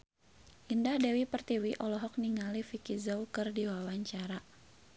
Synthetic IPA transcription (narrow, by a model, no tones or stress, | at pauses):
ʔindahdɛwipərt̪iwiʔɔlɔɦɔk̚niŋalifikizɔwkɨrdiwawaɲt͡ʃaɾa